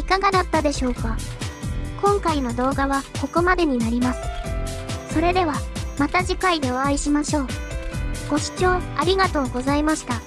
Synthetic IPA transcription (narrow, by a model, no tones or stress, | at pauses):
ikaɡad̪at̪ːad̪e̞ɕo̞ːka | kõ̞ŋkaino̞d̪o̞ːɡaβako̞ko̞mad̪e̞ɲ̟inaɾʲimasɨ̥ | so̞ɾe̞d̪e̞β̞amat̪aʑikaid̪e̞oaiɕimaɕo̞ː | ɡ̥o̞ɕi̥t͡ɕo̞ːaɾʲiɡat̪o̞ːɡo̞zaimaɕi̥t̪a